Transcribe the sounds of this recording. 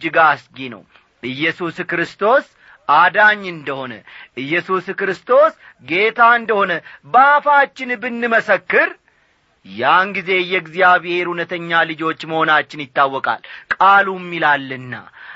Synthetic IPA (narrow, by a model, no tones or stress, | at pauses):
d͡ʒɨɡasɡinə̰w | ʔɨjːɛsuskɾɨst̪ʰo̞s | ʔad̪aɲːɨnd̪əho̞nə̰ʔɨjːɛsuskɾɨst̪ʰo̞s | ɡe̞t̪ʰaɨnd̪əho̞nəbafat͡ʃːɪnbɨnːɨməsəkːɨɾ | janɡize̞jɛɡzijaβehe̞ɾhunət̪ʰəɲːalɨd͡ʒo̞t͡ʃːməho̞nat͡ʃːɪnjɪt̪ːawːɔkʼa̰lkʼalumːilalːɨnːa̰